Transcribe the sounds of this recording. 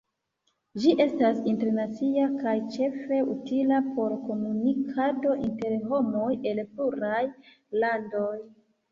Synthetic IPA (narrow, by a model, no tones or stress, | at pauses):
d͡ʒiʔe̞stasinte̞ɾnat͡siakajt͡ʃe̞fe̞utilapo̞ɾko̞munikʰado̞ʔinte̞ɾɦo̞mo̞je̞lpluɾaj | lando̞j